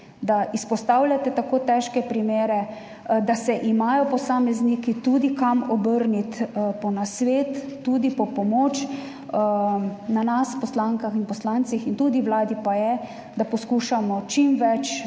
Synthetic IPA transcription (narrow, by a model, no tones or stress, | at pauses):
d̪aʔispɔst̪awlʲjat̪ɛt̪akoːt̪ɛʃkɛpɾimeːɾɛ | d̪asɛʔimaːjɔpɔsaːmɛznikit̪uːd̪ikamɔbəɾnit̪pɔnasʋeːt̪ːuːd̪ipɔpɔmoːt͡ʃ | nanaspɔslaŋkaxinpɔslant̪sixint̪ud̪iwlaːd̪ipajɛ | d̪apɔskuːʃamɔt͡ʃimʋɛt͡ʃ